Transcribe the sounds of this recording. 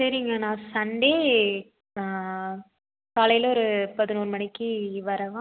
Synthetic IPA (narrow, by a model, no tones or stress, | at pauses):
sɐɾɪŋɡɐnãːsɐɳɖeː | aː | kaːlɐjɪlɔɾɯpɐðɪnuːɾɯmɐɳɪkːɯʋɐɾɐʋãː